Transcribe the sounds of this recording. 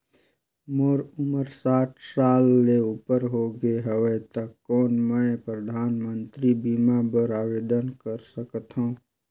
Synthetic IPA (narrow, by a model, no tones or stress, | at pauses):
moɾʊməɾsaːʈʰsaːlːeuːpəɾɦoɡəeɦəʋət̪əkːɔːnmɛ̃pɾəd̪ʱaːnmə̃nt̪ɾibimabəɾaːʋeːd̪ənkəɾsəkət̪ɦõː